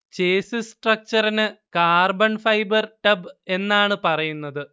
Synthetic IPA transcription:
t͡ɕeːsɨsʈrɐk̚t͡ɕɐrɐnɨkaːrbɐnfɐjbɐrʈɐbe̞nːaːɳɨpɐrɐjunːɐðɨ

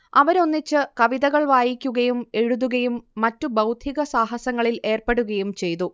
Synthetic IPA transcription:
ɐʋɐɾo̞nːit͡ɕːɨkɐʋiðɐɣɐɭʋaːjikʲːuɣɐjume̞ɻuðuɣɐjumːɐtːubɐwd̪ʱiɣɐsaːɦɐsɐŋːɐɭile̞ːrpeɽuɣɐjumt͡ɕe̞jt̪u

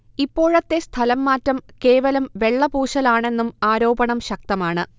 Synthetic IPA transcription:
ipːo̞ːɻɐt̪ːe̞st̪ʰɐlɐmːaːtrɐmke̞ːʋɐlɐmʋe̞ɭːɐbuːɕɐlaːɳe̞nːumaːɾo̞ːbɐɳɐmɕɐk̚t̪ɐmaːɳɨ

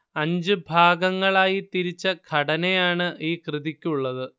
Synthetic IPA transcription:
ɐɲd͡ʑɨbʱaːɡɐŋːɐɭaːjit̪iɾit͡ɕːɐɡʰʱɐɽɐnejaːɳɨʔiːkrɨðikʲːuɭːɐðɨ

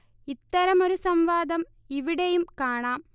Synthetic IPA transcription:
it̪ːɐɾɐmo̞ɾusɐmʋaːd̪ɐm | iʋiɽejumkaːɳaːm

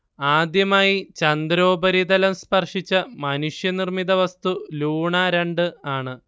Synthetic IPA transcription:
aːd̪jɐmaːjit͡ɕɐnd̪ɾo̞ːbɐɾid̪ɐlɐmspɐrʂit͡ɕːɐmɐnuʂjɐnirmiðɐʋɐst̪uluːɳaɾeɳɖɨaːɳɨ

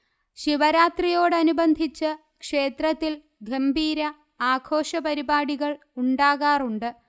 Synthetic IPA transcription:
ɕiʋɐɾaːt̪rijo̞ːɽɨɐnubɐnd̪ʱit͡ɕːɨ | kʂe̞ːt̪rɐt̪ːil | ɡʱɐmbiːɾɐ | aːɡʰʱo̞ːʂɐpɐɾibaːɽiɣɐɭ | uɳɖaːɣaːruɳɖɨ

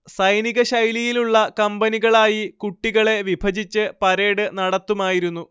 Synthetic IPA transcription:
sɐjniɣɐɕɐjlijiluɭːɐkɐmbɐniɣɐɭaːjikuʈːiɣɐɭe̞ʋibʱɐd͡ʑit͡ɕːɨpɐɾeːɽɨnɐɽɐt̪ːumaːjiɾunːu

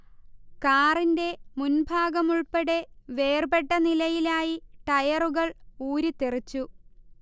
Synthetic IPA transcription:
kaːrinde̞munbʱaːɡɐmuɭpɐɽe̞ʋe̞ːrbe̞ʈːɐnilɐjilaːjiʈɐjɐruɣɐɭuːɾit̪erit͡ɕːu

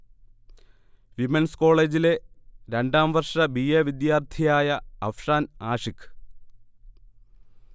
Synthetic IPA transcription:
ʋimensko̞ːɭe̞ːd͡ʑile̞ɾe̞ɳɖaːmʋɐrʂɐbieːʋid̪jaːrt̪ʰijaːjɐɐfʂaːnaːʂikːɨ̥

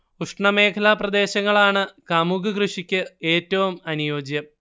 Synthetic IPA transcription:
uʂɳɐme̞ːkʰɐlɐprɐd̪e̞ːɕɐŋːɐɭaːɳɨkamuɡɨkrɨʂikʲːɨe̞ːtːɐʋumɐnujo̞ːd͡ʑjɐm

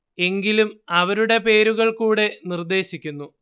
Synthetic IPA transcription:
e̞ŋɡilumɐʋɐɾuɽe̞pe̞ːɾuɣɐɭkuːɽe̞nird̪e̞ːɕikʲːunːu

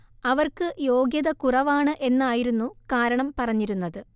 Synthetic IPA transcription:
ɐʋɐrkɨjo̞ːɡjɐðɐkurɐʋaːɳɨʔe̞nːaːjiɾunːukaːɾɐɳɐmpɐrɐɲːiɾunːɐðɨ

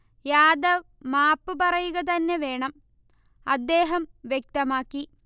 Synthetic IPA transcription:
jaːd̪ɐ | maːpːɨpɐrɐjuɣɐt̪̬ɐnːeʋe̞ːɳɐm | ɐd̪ːe̞ːɦɐmʋjek̚t̪ɐmaːkːi

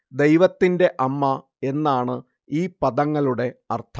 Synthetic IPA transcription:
d̪ejʋɐt̪ːinde̞ʔɐmːɐ | e̞nːaːɳɨ | iːpɐðɐŋːɐluɽe̞ɐrt̪ʰɐ

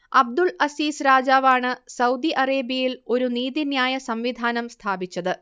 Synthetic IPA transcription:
ɐb̚d̪uɭɐsiːsɾaːd͡ʑaːʋaːɳɨsɐwd̪iʔɐreːbijilo̞ɾuniːðinjaːjɐsɐmʋid̪ʱaːnɐmst̪ʰaːbit͡ɕːɐðɨ

